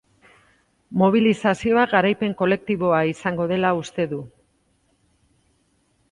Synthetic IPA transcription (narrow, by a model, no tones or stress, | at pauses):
mo̞β̞ilisasio̞aɡaɾajpe̞ŋko̞le̞k̚t̪iβo̞aisaŋɡo̞ð̞e̞laust̪e̞ðu